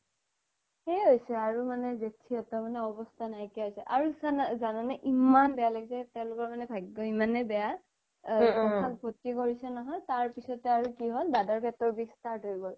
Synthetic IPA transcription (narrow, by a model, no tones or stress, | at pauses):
hejɦojsɛaɹumanɛzetʰiɔtɔmanɛɔbɔstʰanajkiaɦojsɛʔaɹuzanzananaʔimanbɛjalaɡisɛtɛ̃ʊ̃lʊkɔɹmanɛbʱaɡɡɔimanɛbɛja | ɔkʰak̚bʱotikoɹisɛnɔɦɔjtaɹpisɔtɛaɹukiɦɔlbadaɹbɛtɔɹbikstaɹtɦoibɔl